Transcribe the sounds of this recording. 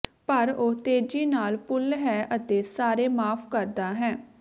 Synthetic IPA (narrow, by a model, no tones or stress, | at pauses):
pəɾoːt̪eːd͡ʒiːnaːlpʊlɦɛːʔət̪eːsaːɾeːmaːpʰkəɾd̪aːɦɛ̃ː